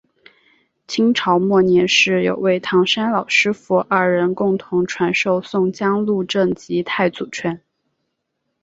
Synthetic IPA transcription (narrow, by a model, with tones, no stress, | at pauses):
t͡ɕʰi˥ŋʈ͡ʂʰɑ˧˥ʊmwɔ˥˩njɛ˧˥nʂɻ̩˥˩jo̰˨˩ʊwe˥˩ɪt̪ʰɑ˧˥ŋʂa˥nlɑ˨˩ʊʂɻ̩˥fu˧˥ʔɐ˞˥˩ɻə˧˥nkʊ˥˩ŋt̪ʰʊ˧˥ŋʈ͡ʂʰwa˧˥nʂo˥˧ʊsʊ˥˧ŋt͡ɕjɑ˥ŋlu˥˧ʈ͡ʂɤ˥˩ŋt͡ɕi˧˥t̪ʰa˥˩ɪt͡su˨˩t͡ɕʰɥɛ˧˥n